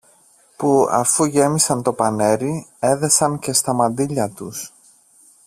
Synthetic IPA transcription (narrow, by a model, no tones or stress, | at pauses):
puɐ̰fuʝe̞misɐnt̪o̞pɐne̞ɾie̞ðe̞sɐŋce̞st̪ɐmɐnd̪iʎɐt̪us